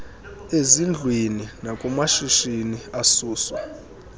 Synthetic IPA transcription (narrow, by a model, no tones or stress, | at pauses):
ezind͡ɮʱweninakʼumaʃiʃiniasuːswɔ̰